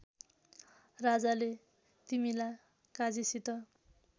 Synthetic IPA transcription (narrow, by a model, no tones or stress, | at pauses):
rad͡zale | t̪imilaj | kad͡zisit̪ʌ